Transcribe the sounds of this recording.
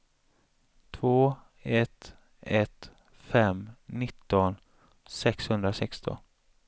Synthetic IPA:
t̪ʰvoː | ɛt̪ | ɛt̪ | fɛmnɪt̪ːɔn | sɛkshɵnd̪ɾasɛkst̪ɔ̰n

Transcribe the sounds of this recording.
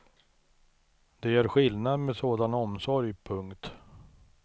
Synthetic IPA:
d̪̥ɛæɾɧɪlnad̪meɛd̪soːd̪anɔmsɔɾjpʰɵŋkt̪

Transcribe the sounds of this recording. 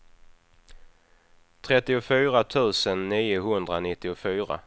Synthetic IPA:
t̪ʰɾɛt̪ːɪʊfyːɾat̪ʰʉ̟ːsənːiːʊɦɵnd̪ɾanɪt̪ːɪʊfyːɾa̰

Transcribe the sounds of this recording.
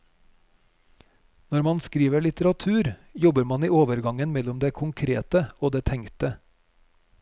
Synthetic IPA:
nɔɾmɑnskɾiːʋəɭɪt̪əɾɑt̪ʰʉːɾjɔbəɾmɑniːoːʋəɾɡɑŋənmɛlʊmd̪eːkʰʊŋkʰɾḛːt̪əoːd̪eːt̪ʰɛŋt̪ə

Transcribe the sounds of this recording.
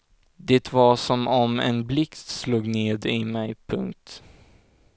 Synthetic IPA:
d̪ɛːt̪vasɔmɔmɛ̰nblɪkt̪sluːɡneːd̪ɪmɛjpʰɵŋk̚t̪

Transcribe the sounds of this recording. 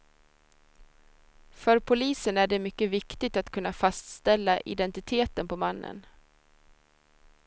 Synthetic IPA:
fœɾpʰʊliːsənæɖɛmʏkːəvɪkt̪ɪɡ̚t̪at̪kʰɵnːafast̪st̪ɛlːaʔɪ̰d̪ɛnt̪ɪt̪ʰeːt̪ənpʰɔmanːə̰n

